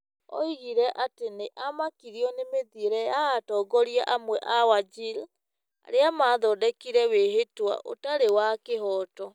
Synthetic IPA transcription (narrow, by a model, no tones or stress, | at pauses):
ɔ̰iɣiɾɛʔateneʔamakiɾiɔnemeðieɾɛjaːtɔːɡɔɾiaʔamwɛʔawad͡ʒil | a̰ɾeamaðɔdɛkiɾɛweɦetwa̰ʔo̰taɾewakeɦɔːtɔ